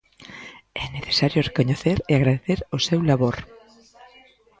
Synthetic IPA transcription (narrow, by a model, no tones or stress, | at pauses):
ɛneθe̥saɾjorekoɲeθeɾeaɣɾaðeθeɾosewlaβoɾ